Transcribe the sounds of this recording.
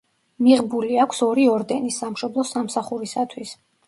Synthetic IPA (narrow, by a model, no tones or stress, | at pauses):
miʁbuliakʷʰsɔɾiɔɾd̪ɛnisamʃɔblˠɔsamsaχuɾisat̪ʰwis